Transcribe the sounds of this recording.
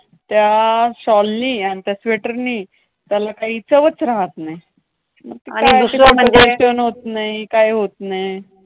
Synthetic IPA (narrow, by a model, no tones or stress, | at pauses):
t̪jaɕɔlːiːañit̪jasʋeʈəɾniː | t̪jalakaɦit͡səʋət͡sɾaɦət̪naɦj | məɡ̚t̪iankijuseəm̤əd͡zet̪ənɦot̪naikajɦot̪nej